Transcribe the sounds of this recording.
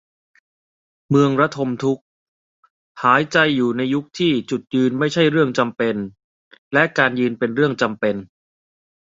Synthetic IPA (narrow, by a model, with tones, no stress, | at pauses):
mɯ˧əŋɾa˦˥t̪ʰo˧mt̪ʰu˦˥k̚ | haː˩˦jt͡ɕa˧jːuː˨˩na˧jːu˦˥k̚t̪ʰiː˥˩t͡ɕu˨˩t̪̚jɯː˧nma˥˩jt͡ɕʰa˥˩jɾɯ˥˩əŋt͡ɕa˧mpe˧n | lɛ˦˥ʔkaː˧njɯː˧npe˧nɾɯ˥˩əŋt͡ɕa˧mpe˧n